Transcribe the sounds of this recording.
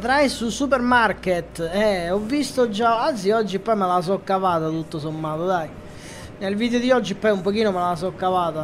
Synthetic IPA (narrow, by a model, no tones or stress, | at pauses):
t̪ɾajsusupɛɾmarket̪ːɛɔvːist̪od͡ʒːaant̪siɔd͡ʒːipːɔjmelas̬ɔkːavaːt̪at̪ut̪ːosomːaːt̪od̪aj | nelviːd̪eod̪iɔd͡ʒːipːɔjumpokiːnomelas̬ɔkːavaːt̪a